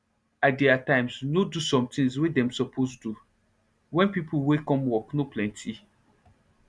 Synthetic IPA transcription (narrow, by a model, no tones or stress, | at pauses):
adeatãɪ̃msnodusɔ̃mtĩŋswedɛ̃msɔpʰosdu | wɛ̃npipʰuwekɔ̃mwɔknoplɛ̃ntʰi